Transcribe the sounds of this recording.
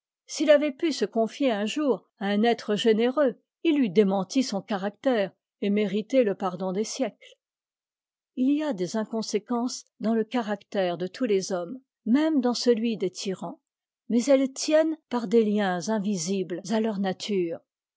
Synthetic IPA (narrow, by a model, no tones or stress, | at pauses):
silavɛpysəkɔ̃fjeɛ̃ʒuʁ | aɛ̃nɛt̪χəʒeneʁø | ilːid̪emɑ̃t̪isɔ̃kaʁak̚t̪ɛːʁ | emeʁit̪eləpaʁd̪ɔ̃d̪esjɛkl | iliad̪ezɛ̃kɔ̃sekɑ̃sd̪ɑ̃ləkaʁakt̪ɛʁd̪ət̪ʰulezɔmː | ɛmd̪ɑ̃səlɥid̪et̪ʰiʁɑ̃ | mɛzɛlt̪jɛnpaʁd̪eljɛ̃zɛ̃viziblzalœʁnat̪ʰyːʁ